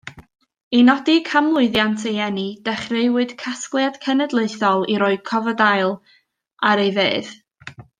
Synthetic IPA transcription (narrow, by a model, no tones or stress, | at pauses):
inɔdikʰamlˠʊɨðjantʰejɛnid̥ɛχrɨwɨd̥kʰasklˠjad̥kʰənədlˠeɨθɔlˠiɾoːɨd̥̚kʰɔvədajlˠ | aɾejveːð